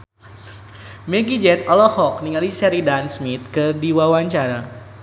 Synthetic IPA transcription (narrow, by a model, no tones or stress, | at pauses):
mɛɡid͡ʒɛt̪ɔlɔhɔk̚niŋalisɛɾidansmit̪̚kɨrdiwawaɲt͡ʃaɾa